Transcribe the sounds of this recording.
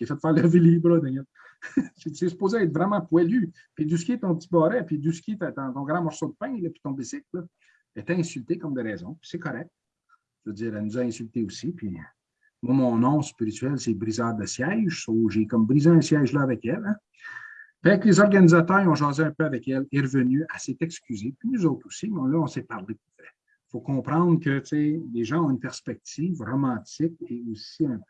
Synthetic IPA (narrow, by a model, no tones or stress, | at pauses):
kefɛt̪ːfɛːʁləvilibʁəd̪ɛɲɛt̪ | ʒiesy̥poːzeaɛt̪vʁɛmɑ̃pwɛly | pid̪ys̬kʲjet̪ɔ̃p̚t͡sibɔːʁɛpid̪yskʲjet̪at̪ãt̪ɔ̃ɡʁɑ̃mɔʁsod̪əpɛ̃lʌpi̥t̪ɔ̃bisɪklɔ | et̪ɛɛ̃sylt̪ekɔmd̪əʁɛːzɔ̃pi̥sɛkɔʁɛk̚t̪̚ | ʒvød͡ziːʁɛlnuzaɛ̃sylt̪eusipɥi | mwamɔ̃ːnɔ̃spiʁit͡sɥɛlsɛbʁizœːd̪əsjɛʒsoʒekɔmbʁizeɛ̃sjɛʒlʌavɛkɛlɛ̃ | paɛklezɔʁɡanizat̪œːʁeɔ̃ʒɑːzeɛ̃pøavɛkɛleʁəvənyasɛt̪ɛkskʲyzepinuzɔʊt̪χosinɛ̃laɔ̃sɛpaʁlepufɛ | fokɔ̃ːpʁɑ̃ːd̪ʁkət͡seleʒɑ̃ɔ̃ynpɛʁspɛk̚t̪iːvʁɔmɑ̃ːt͡sɪk̚eosiɛ̃